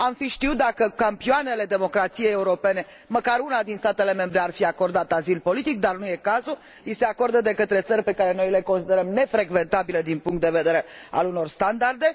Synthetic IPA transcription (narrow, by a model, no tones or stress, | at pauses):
amfiʃt̪iut̪̚d̪akəkampioane̞le̞d̪e̞mo̞kɾat̪sije̞jeuɾo̞pe̞ne̞ | məkaɾunad̪inst̪at̪e̞le̞me̞mbɾe̞arfiako̞rd̪at̪azilpo̞lit̪ik̚d̪arnuje̞kazu | ise̞ako̞ɾd̪əd̪e̞kət̪ɾe̞t̪sərʲpe̞kaɾe̞no̞jle̞ko̞nsid̪e̞ɾəmne̞fɾe̞ɡve̞nt̪abiləd̪inpuŋkt̪̚d̪e̞ve̞d̪e̞ɾe̞a̰luno̞rst̪and̪ard̪e̞